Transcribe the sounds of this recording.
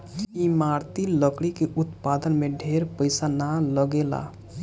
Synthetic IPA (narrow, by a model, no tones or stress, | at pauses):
imaɾt̪iləkɽikeʔut̪pad̪ənmeɖʱeɾpəɪsanaləɡela̰